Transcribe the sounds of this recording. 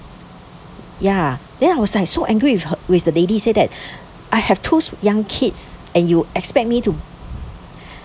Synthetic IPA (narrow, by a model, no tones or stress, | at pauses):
ja | d̥ɛ̃naɪwɔslaɪk̚soʔɛ̃ŋɡɹiwɪfdəledisedɛt̚ | ʔaɪhɛftʰusjãŋkʰɪtsɛ̃njuɛkspɛk̚mitu